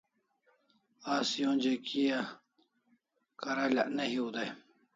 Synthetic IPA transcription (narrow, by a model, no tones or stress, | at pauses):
aːsjõːnʲd͡ʑekʰija | kɐɾala̰ʔnɐhiud̪aj